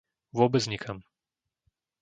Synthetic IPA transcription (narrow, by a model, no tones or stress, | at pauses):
ʋʊɔbɛd͡zɲikʰam